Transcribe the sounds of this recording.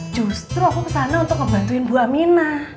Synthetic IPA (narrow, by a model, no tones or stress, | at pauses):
d̥ʒ̥ṳst̪ɾuakukəsanaunt̪ʊkːəba̤nt̪uɪnbuaʔminah